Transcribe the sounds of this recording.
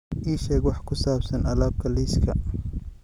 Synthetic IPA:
ʔiːʃɛːɡwɑħkʰʊsaːbsɐnʔɐlaːb̚kʰɐliːskʰɐ̰

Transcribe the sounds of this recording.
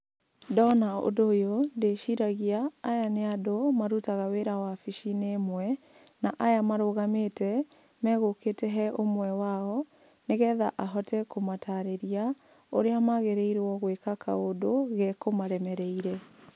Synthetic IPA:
dɔnao̰doːjondeʃiɾaɣiaːjaneadomaɾutaɣaweɾawafiʃinemwɛ | naʔajamaɾoɣametɛ | mɛɣoketɛɦɛʔomwɛwaɔ | neɣɛðaʔaɦɔtɛkomatʰaɾeɾia | oɾeamaɣeɾeiɾwɔɣwekakʰa̰odoɣɛkomaɾɛmɛɾɛiɾɛ

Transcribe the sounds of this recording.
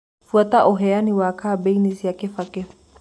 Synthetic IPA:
fuataʔɔɦɛaniwakʰaːbɛinisiakɛfakɛf

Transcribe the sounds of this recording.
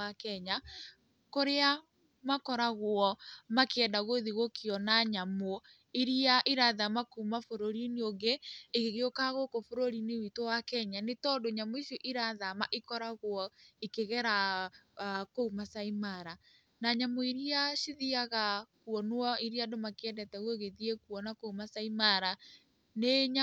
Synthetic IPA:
akɛɲa | koɾea | makɔɾaɣwɔmakɛndaɣoðiɣokiɔnaɲamo | iɾiaʔiɾaðamakuumafoɾoɾineoŋɡeːɣeɣeokaɣokofoɾoɾinewitowakɛɲanetɔdoɲamoisjɔʔiɾaðamaʔikɔɾaɣwɔikeɣɛɾa | koumasaimaɾa | naɲamoiɾiaʃiðiaɣakuɔnwɔiɾiadomakeɛdɛtɛɣwoɣeðiekwɔnakoumasaimaɾa | neɲa

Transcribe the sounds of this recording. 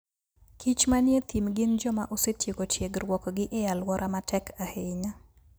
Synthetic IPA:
kʰit͡ʃmanjet̪imɡɪnd͡ʒɔmaʔosetjeɡotjeɡɾwɔkɔɡɪʔɪjalwɔɾʔamatɛkʰahɪɲa

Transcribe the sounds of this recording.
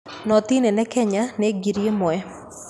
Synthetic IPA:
nɔt̪inenɛkɛɲaneɡiɾjemɔɛ

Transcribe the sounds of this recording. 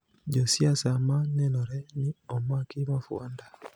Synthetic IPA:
ɟosjasamanɛnɔɾɛniɔmwakimafɔ̰nda

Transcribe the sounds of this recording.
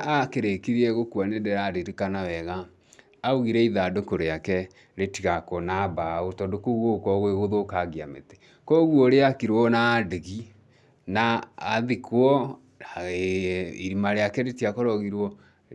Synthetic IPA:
akeɾekiɾiɛɣokuanedɛɾaɾeɾikanawɛɣaː | uɣiɾɛiðadokoɾeakɛ | ɾetiɣakɔnabaotɔdokoɣokɔɣweɣoðokaɣia̰mete̥ | kɔɣwɔɾeakiɾwɔnadeɣi | naːðikwɔ | iɾimaɾeakɛɾetiakɔɾɔɣiɾwɔ

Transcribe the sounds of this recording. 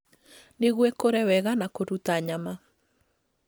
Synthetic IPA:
neɣwɛkoɾɛwɛɣanakoɾutaɲama

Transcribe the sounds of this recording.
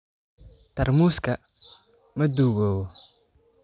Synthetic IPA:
t̪ʰɐrmuːskʰɐ | mɐd̪uːɣɔːwɔ

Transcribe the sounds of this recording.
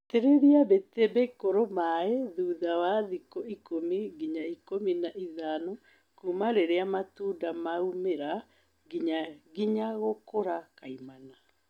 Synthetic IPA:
teɾeɾiabetebekoɾomaeðuːðawaðikoikomiɡiɲaikominaʔiðano | kumaɾeɾeamatuːdamaumeɾa | ɡiɲaɡiɲaɣokoɾakaimana

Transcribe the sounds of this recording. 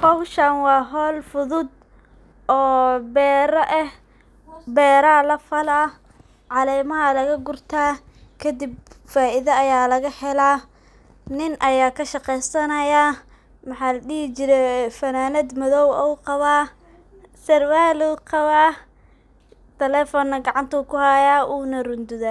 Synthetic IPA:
hɔwʃɐnwɑːɦɔːlfʊðʊd̪̚ | ʔɔːbɛːɾɐʔɛh | bɛːɾɐlɐfɐlɐ | ʕɑlɛːmɐɦɐlɐɣɐɡʊrt̪ʰaː | kʰɐd̪ɪbfaːʔɪðɐːjaːlɐɣɐħɛlaː | nɪnʔɐjaːkʰɐʃɑqɛjsɐnɐjaː | mɑħɑːlɐɗiːhɪt͡ʃɪɾɛfɐnaːlɐd̪mɐðɔwɔwqɑβaː | sɐrwaːluqɑβaː | t̪ʰɛlɛːfɔnːɐɡɑʕɑnt̪ʰɐkʰʊhɐjaːʔuːnɐrʊnd̪ʊðɐ

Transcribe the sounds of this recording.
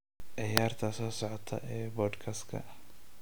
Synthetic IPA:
ʕɪjaːrt̪ʰɐsɔːsɔʕɔt̪ʰɐ̰ʔɛːbɔːd̪kʰɐskʰɐ̰

